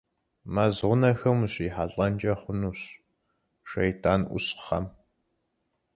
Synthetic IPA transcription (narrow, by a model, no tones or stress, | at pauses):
mɐzʁʷʊnɐxɐmuɕiːħaɬʼɐnd͡ʒɐχʷʊnuːɕ | ʃɐjtʰaːnʔʷʊ̰ɕχɐ̰m